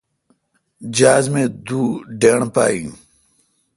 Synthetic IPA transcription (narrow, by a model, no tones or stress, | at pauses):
d͡ʑaːzmẽːd̪uːɖeːɳpa̰ːjḭ̃